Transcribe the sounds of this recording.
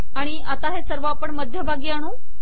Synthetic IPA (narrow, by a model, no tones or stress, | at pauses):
aɽ̃iʔat̪aɦesəɾʋaːpəɳməd̪ʱjəbʱaɡiaɽ̃ũː